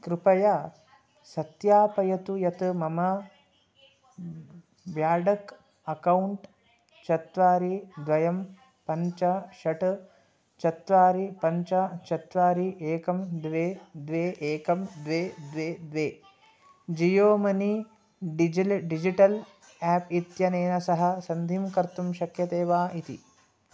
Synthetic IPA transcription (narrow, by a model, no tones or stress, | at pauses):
kɾɪpɐja | sɐt̪jaːpɐjɐt̪ujɐt̪ɨmɐmɐ | ʋjaːɖɐk | ɐkɐwuɳʈ | t͡ʃɐt̪ʋaːɾid̪ʋɐjɐm | pɐɲt͡ʃɐʃɐʈ | t͡ʃɐt̪ʋaːɾipɐɲt͡ʃɐt͡ʃɐt̪ʋaːɾiʔeːkɐmd̪ʋeːd̪ʋeːʔeːkɐmd̪ʋeːd̪ʋeːd̪ʋeː | d͡ʒijoːmɐni | ɖid͡ʒiʈɐl | aːpit̪jɐneːnɐsɐɦɐ̆sɐnd̪ʱimkɐɾt̪umʃɐkʰjɐt̪eːʋaːʔit̪ḭ